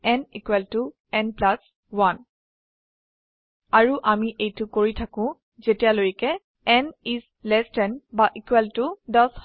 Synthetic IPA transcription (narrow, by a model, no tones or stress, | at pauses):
ɛnikwɛltʊ | ɛnplas | wan | aɹuʔamiʔejtʊkoɹitʰakʊ̃ | zetijalojkɛ | ɛnis | lɛstɛnbaʔikwɛltʊdɔs